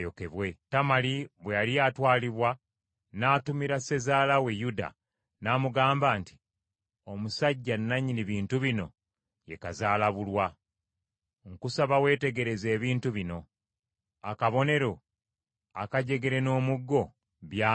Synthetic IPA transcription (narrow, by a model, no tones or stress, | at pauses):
jokeβwe̞tamaliβwejalijaːtwaːliβwa | naːtumiɾase̞zaːlawe̞juda̰ | naːmuɡaːmbaːnti̥ | o̞musaɟːanːaɲiniβiːntuβino̞̰ | je̞kazaːlaβulwa | ŋkusaβawe̞ːte̞ɡe̞ɾe̞ze̞ːβiːntuβino̞ | akaβo̞ne̞ɾo̞ | akaɟe̞ɡe̞ɾe̞no̞ːmuɡːo̞ | βja